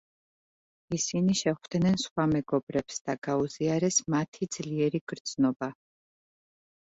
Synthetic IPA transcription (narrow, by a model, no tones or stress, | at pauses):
isiniʃɛχvd̪̥nɛnsχwamɛɡɔbɾɛpsd̪̥aɡ̥auziaɾɛsmat̪ʰid̪zliɛɾiɡ̥ɾd̪z̥nɔba